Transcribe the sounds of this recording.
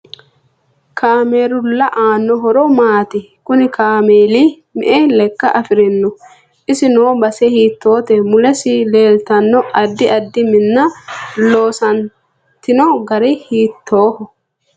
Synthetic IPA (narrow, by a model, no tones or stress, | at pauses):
kaːmeːɾʊlːɐʔaːnːɔɦɔɾɔmaːt̪ɪ | kʊnɪkaːmeːliː | mɛ̰ʔɛlɛkːɐʔɐfɪɾɪnːɔ | ʔɪsɪnoːbɐsɛhiːt̪ʰːo̞ːt̪ɛmʊlɛsɪle̞ːlt̪ɐnːɔʔɐd̪ːɪɐd̪ːɪmɪnːɐlo̞ːsɐn | t̪ɪnɔɡɐɾɛhiːt̪ːo̞ːhɔ